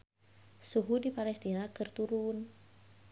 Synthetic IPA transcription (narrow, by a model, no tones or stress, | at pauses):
suɦudipalɛst̪inakɨrt̪uɾun